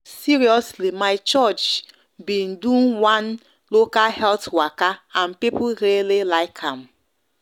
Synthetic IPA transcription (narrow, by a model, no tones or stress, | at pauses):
siɹiɔslimaɪt͡ʃɔt͡ʃ | bĩndũnwãn | lokahɛltwakaãnpipuɹelilaɪkʰãm